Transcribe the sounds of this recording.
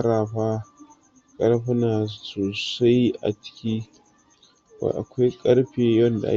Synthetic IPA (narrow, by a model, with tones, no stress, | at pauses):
ɾa˨ɸa˦ | kʼɐ˦ɾɸu˦na˨so˨sa˦ja̰˨t͡ʃi̥˦kʲi˦ | ba̰˨ʔa̰˨kʷa˦kʼɐ˦ɾɸe˨jɔ˦nda̰˨ʔa̰˦